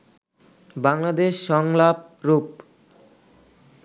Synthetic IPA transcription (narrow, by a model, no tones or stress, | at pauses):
baŋlad̪eʃːɔŋlap̚ | ɾup